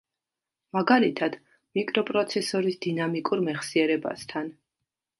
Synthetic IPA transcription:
maɡalit̪ʰad̪̥ | mikʼɾɔpʼɾɔt̪sʰɛsɔɾisd̪̥inamikʼuɾmɛχsiɛɾɛba̰st̪ʰan

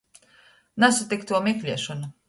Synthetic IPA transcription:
nasat̪ikt̪uɔmʲiklʲiɛʃɔnu

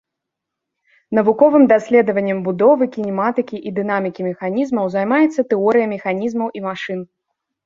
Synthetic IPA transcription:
nɐvukɔvɨmd̪asʲlʲɛd̪ɐvɐnʲːɛmbud̪ɔvɨkʲinʲɛmat̪ɨkʲiʔid̪ɨnamʲikʲimʲɛxanʲizmɐwzajmajɛt̪sːɐt̪ɛɔɾɨjɐmʲɛxanʲizmɐwʔimaʂɨn

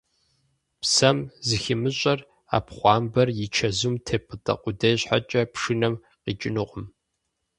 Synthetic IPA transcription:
psɐmzɨxɪmɨɕʼɐr | a̰ːpχʷɑːmbɐrjɪt͡ʃʰɐzumtʰeːpʼɨtʰʼɐ̰qʷʊdɐjɕħa̰t͡ʃʼɐpʂɨnɐm | qiːt͡ʃʼɪnɨqʷʼʊm

